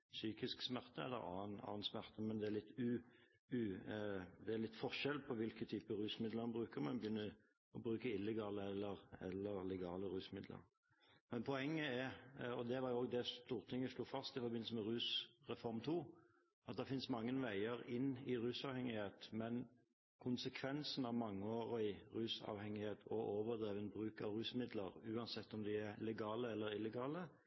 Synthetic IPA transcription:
syːkɪsksmæʁt̪əɛ̰lːə̰ɾɑ̰ːənɑ̰ːənsmæʁt̪əmɛnd̪ɛæʁlɪt̪ːʉ | ʉ | d̪ɛæʁlɪt̪ːfɔʁʃɛlpʰɔʋɪlkət̪ʰyːpəɾʉːsmɪd̪ləʁmɑnbʁʉːkəmɛnbəjʏnːə | ɔbɾʉːkəɪlːɛɡɑːləɛlːəɾɛ̰lːəɾlɛɡɑːləɾʉːsmɪd̪lə̰ɾ | mɛnpʰɔɛŋːəɛɾɔd̪ɛʋɑɾjʊoːɡd̪ɛst̪uːʁt̪ʰɪŋːəʂluːfɑst̪ɪfɔɾbɪnl̩səmɛɾʉːsɾɛfɔɾmt̪ʰuː | ʔɑt̪̚d̪ɛfɪnsmɑŋːənʋæɪəɾɪnːɪɾʉːsɑːʋhɛŋːɪheːt̪mɛn | kʰʊnsəkʰʋɛnsn̩ɑʋmɑŋːəoːɾɔɪɾʉːsɑ̰ːʋhɛŋːɪheːt̪ʰɔʔoːʋəd̪ɾeːʋɛnbɾʉːkɑ̰ʋɾʉːsmɪd̪lə̰ɾʉːɑnsɛt̪ːɔmd̪ɪæɾlɛɡɑːləɛlːəɾɪlːɛɡɑːlə

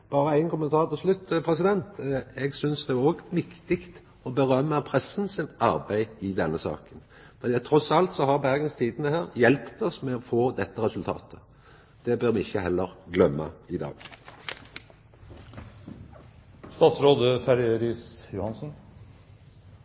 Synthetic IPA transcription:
b̥ɑːɾəæɪnkʊmənt̪ʰɑːʁt̪ɔslʉt̪ːpʰʁɛsɪd̪ɛnt̪ɛɡsʏnsd̪ɛæʁoːɡʋɪkt̪ɪkt̪ | ɔbəʁœmːəpʰɾɛsːnsɪnɑʁbæɪɪd̪ɛnːəsɑ̰ːkən | fɛæt̪ʰɾɔsɑlt̪sɔɦɑʁbæʁɡənst̪ʰiːd̪ənəhæːʁjɛlpt̪ɔsmɛɔfoːd̪ɛt̪ːəʁɛsʉlt̪ʰɑ̰ːt̪ʰə̥ | d̪̥ɛbøːʁmɪɪçːəhɛlːəɾɡlœmːə̰ɪd̪ɑ̰ːɡ | st̪ɑːt̪sɾoːd̪ət̪ʰæɾɛɾiːsjʊhɑnsn̩

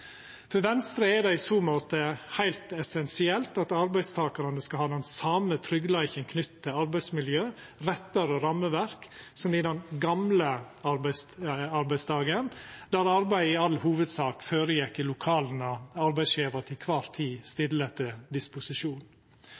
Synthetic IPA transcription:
fɔɾʋɛnst̪ɾəɛd̪ɛɪsoːmoːt̪əhæɪlt̪ɛsɛnsɪɛlt̪ɑt̪ɑɾbæɪst̪ʰɑːkɑɾənəskɑhɑːd̪ɛnsɑːmət̪ʰɾʏɡlæɪçənkʰnʏt̪ːt̪ːəɑɾbæɪsmɪljøː | ɾɛt̪ːəɾɔɾɑməʋæɾksɔmɪd̪ɛnɡɑmlə | ɑɾbæɪst̪ɑɾbæɪst̪ʰɑːɡənd̪̥æɾɑɾbæɪɪɑlːhuːʋəd̪sɑːkføːɾəjɛkːɪlʊkʰɑːln̩ɑɑɾbæɪsjeːʋɑt̪ʰɪkʰʋɑːɾt̪ʰiːst̪ɪlːət̪əd̪ɪspʊsɪʂuːn

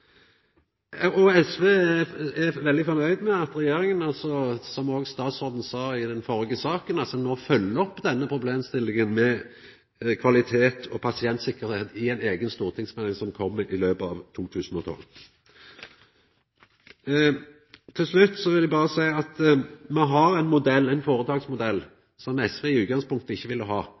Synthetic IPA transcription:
ɑʔɔɛsʋeːæʋɛld̪ɪfɔmœʏd̪mɛɑt̪ɾɛjeːɾɪŋənɑlsɔsɔmoːɡst̪ɑːt̪sʁoːd̪n̩sɑːɪd̪ɛnfɔɾɪɡəsɑːkənɑlsɔnoːfœlːəɔpːd̪ɛnːəpʰɾʊbleːmst̪ɪlːɪŋənmɛ | kʰʋɑlɪt̪ʰeːt̪ʰɔpʰɑsɪɛnt̪sɪkːəʁɾheːt̪ɪæɪneːɡənst̪uːʁt̪ʰɪŋsmɛlɪŋsɔmkʰɔmːʔɪløːpɑːʋt̪ʰuːt̪ʰʉːsn̩ɔt̪ʰɔ̰l | t̪ʰɪlslʉt̪ːsɔʋɪlæbɑːʁəsæɪɑt̪mɛɦɑʁɛɪnmʊd̪ɛlːɛɪnfoːʁət̪ʰɑːɡsmʊd̪ɛlː | sɔmɛsʋeːɪʉːt̪̚ɡɑŋspʊŋkt̪əɪçːəʋɪlːəɦɑː

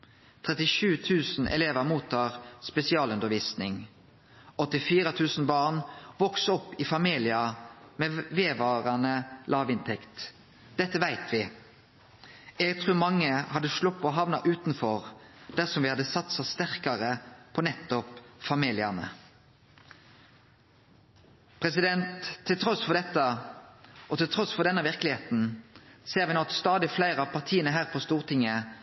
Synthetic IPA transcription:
t̪ʰʁɛt̪ɪʃʉːt̪ʰʉːsn̩ʔɛ̰leːʋəmuːt̪ʰːɑːʁspɛsɪɑːlʉnd̪əʁʋiːsnɪŋ | ɔt̪ːɪfiːɾət̪ʰʉːsn̩bɑːʁnʋɔksɔpːɪfɑmiːlɪɑmeːʋeːʋɑːʁɑnəlʔɑːʋɪnt̪ʰɛkt̪ | d̪̥ɛt̪ːəʋæɪt̪ʰʋɪ | ɛɡt̪ʰʁʉːmɑŋːəhɑd̪əʂɭʊpːɔɦɑʋnɑʔʉːt̪n̩fɔʁd̪̥æʁsɔmʋɪhɑd̪əsɑt̪sɑst̪æʁkɑʁəpʰɔnɛt̪ːɔpfɑmiːlɪənə̰ | pʰʁɛsɪd̪ɛnt̪ʰːɪlt̪ʰʁɔsfɔʁd̪ɛt̪ːə | ʔɔt̪ɪlt̪ʰʁɔsfɔʁd̪ɛnːəʋɪʁkəlɪheːt̪n̩seːʁɾʋɪnɔt̪st̪ɑːd̪ɪflæɪʁɑʋpʰɑʁt̪ʰiːənəɦæːʁpʰɔst̪uːʁt̪ʰɪŋːə

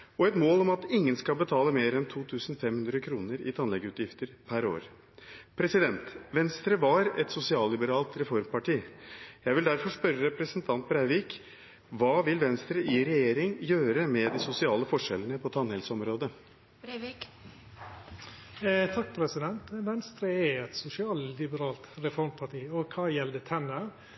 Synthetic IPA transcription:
ɔɛt̪moːlɔmɑt̪ɪŋːənskɑlbət̪ʰɑːləmeːɾɛnt̪ʰuːt̪ʰʉːsn̩fɛmhʉnd̪ɾəkʰɾuːnəɾɪ̰t̪ʰɑnlɛɡəʉːt̪jɪft̪əɾpʰæɾo̰ːɾ | pʰɾɛsɪd̪ɛnt̪ʋɛnst̪ɾəʋɑɾɛt̪sʊsɪɑːllɪbəɾɑːlt̪ɾɛfɔɾmpɑʈiːjæɪʋɪld̪æɾfɔʂpœɾːəɾɛpɾəsənt̪ʰɑnt̪̚bɾæɪʋiːk | ʋɑːʋɪlʋɛnst̪ɾəʔɪɾɛjeːɾɪŋjøːɾəmɛd̪ɪsʊsɪɑːləfɔʂɛlənəpʰɔt̪ʰɑnɛlsɔmɾoːd̪ə | t̪ʰɑkːpʰɾɛsɪd̪ɛnt̪ʋɛnst̪ɾəɛɛt̪sʊsɪɑːlɪbəɾɑːlt̪ɾɛfɔɾmpʰɑʈiːɔkʰɑːjɛld̪ət̪ʰɛnə

